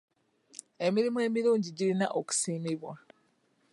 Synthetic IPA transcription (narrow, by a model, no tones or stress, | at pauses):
e̞miɾimue̞ːmiɾuːɲɟiɟilinaʔo̞ku̥siːmiβwa